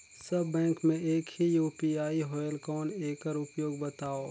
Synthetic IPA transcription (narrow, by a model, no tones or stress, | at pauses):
sɐbːɛ̃ːkmẽeːkhijuːpiaːiɦɔːjəlkɔːneːkəɾʊpjoːɡ̚bət̪aːoː